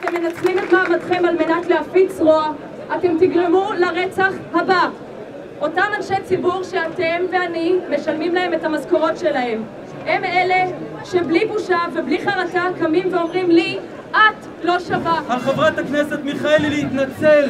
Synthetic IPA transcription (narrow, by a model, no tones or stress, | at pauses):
atemːenat͡slimotaːmatχe̞malme̞natleafit͡sʁoa | ʔate̞mtiɡʁemulaʁet͡saχhaba | o̞tamanʃejt͡sibuʁʃeatemveaniːe̞ʃalmimlae̞me̞thamazkoʁo̞tʃe̞lahe̞m | e̞me̞le | ʃe̞blibuʃavebliχaʁatakamimveo̞mʁimli | ʔat | lo̞ʃavahalχavʁet̪akneset̪miχaelileit̪nat͡sel